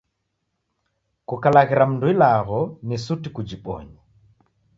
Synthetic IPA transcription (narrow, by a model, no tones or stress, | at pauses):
kukalaɣiɾam̩nduilaɣɔnisutikud͡ʒiɓɔ̰ɲa